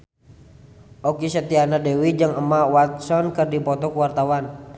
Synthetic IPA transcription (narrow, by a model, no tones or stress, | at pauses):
ʔɔkisət̪ianadɛwid͡ʒəŋəmawat̪̚sɔnkɨrdipɔt̪ɔkuwart̪awan